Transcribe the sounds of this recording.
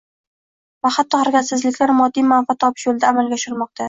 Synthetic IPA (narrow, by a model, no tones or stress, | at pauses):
vaχat̪ʰːɒhaɾɡʲat̪sɪzlɪkʲlaɾmɒd̪ːijmanfat̪ʰːɒpʰɪ̥ʃjolˠd̪aːmalɡʲaɒʃɪɾmɒq̚t̪ʰa